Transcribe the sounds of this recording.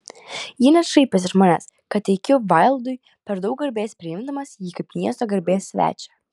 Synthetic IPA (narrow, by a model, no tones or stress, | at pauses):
jiːnʲɐsʃɐɪpʲɪs̬ɪʒmɔnʲɛs | kɐt̪ʲtʲɛɪkʲʊʋɐɪlˠd̪ʊj | pʲɛɾd̪ɐʊk̚ɡɐɾʲbʲeːspʲɾʲɪjɪmd̪ɐmɐsjiːkɐɪpmʲiɛst̪oːɡɐɾʲbʲeːsːʲʋʲæ̰ːt͡ʃʲɛ̥